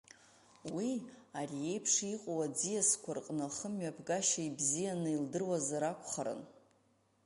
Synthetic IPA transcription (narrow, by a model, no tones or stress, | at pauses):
wiarije̞jpʰʂiqʼowad͡zijaskʷʰarqʼnɨχəmɥapʰɡaʃaibzijanɨildɨrwazaɾakʷʰʼχaɾɨ̰n